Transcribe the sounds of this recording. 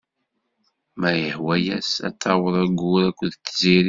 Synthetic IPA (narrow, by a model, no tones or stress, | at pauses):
mæjəħwæjæsæ̰t̪ːɑwəðˤæɡʊɾækʷːðt̪ːziɾi